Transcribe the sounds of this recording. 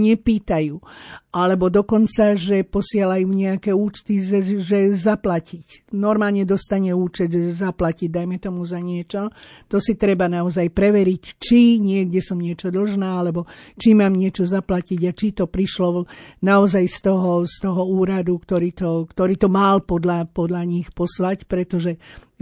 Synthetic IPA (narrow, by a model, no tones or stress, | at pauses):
ɲɛpiːt̪ajuːʔalɛbɔd̪ɔkɔnt͡saʒɛpɔsɪalajuːɲɛakɛːuːt͡ʃt̪izɛʒɛzaplacicnɔɾmaːlɲɛd̪ɔst̪aɲɛuːt͡ʃɛd̪ʒɛzaplaciɟd̪ajmɛt̪ɔmuzaɲɪɛt͡ʃɔt̪ɔsit̪ɾɛbanaɔzajpɾɛʋɛɾict͡ʃiɲɪɛɡɟɛsɔmɲɪɛt͡ʃɔd̪l̩ʒnaːalɛbɔt͡ʃimaːmɲɪɛt͡ʃɔzaplaciɟat͡ʃit̪ɔpɾiʃlɔnaɔzajst̪ɔɦɔst̪ɔɦɔuːɾad̪ukt̪ɔɾiːt̪ɔkt̪ɔɾiːt̪ɔmalpɔd̪lapɔd̪laɲixpɔslacpɾɛt̪ɔʒɛ